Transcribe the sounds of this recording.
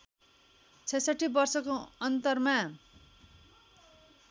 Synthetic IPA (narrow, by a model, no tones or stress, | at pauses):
t͡sʰʌsaʈʰːibʌrsʌkoʌnt̪ʌrma